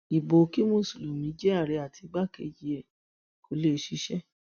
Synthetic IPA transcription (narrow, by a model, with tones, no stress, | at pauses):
i˨bo˨˦ki˦mõ˦˨su˨lo˨mĩ˨˦d͡ʒɛ˦a˦˨ɾe˨˧a˨tʰi˨˧ɡ͡ba˦˨kḛ˧˦ji˨˧ɛ˨ | kʰo˨˦le˦˧˦ʃi˦ʃɛ˦